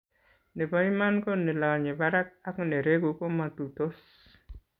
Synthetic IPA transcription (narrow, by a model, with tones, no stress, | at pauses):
ne˨ba˦ima˦nkɔ˦ne˨la˨ɲe˨ba˦ɾa˦k̚a˦kne˨ɾe˦ɡu˨kɔ˦ma˨tu˨to˦s